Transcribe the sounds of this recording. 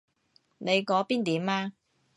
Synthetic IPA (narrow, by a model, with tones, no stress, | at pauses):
ne˨˧jkɔː˨˥piː˥nt̪iː˨˥maː˧